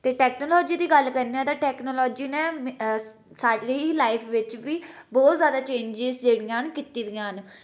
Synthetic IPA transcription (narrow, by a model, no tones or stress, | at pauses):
t̪eːʈɛːknoːlɔːd͡ʒiːd̪iːɡəlkəɾniãt̪aːʈɛːknoːlɔːd͡ʒiːnɛ̃ː | saːɖiilaːɪpʰʋɪt͡ʃʋiːbɔːt̪zjaːd̪aːt͡ʃẽːɲd͡ʒɪzd͡ʒeːɽɪjãːənkiːt̪iːd̪ɪjãːɦən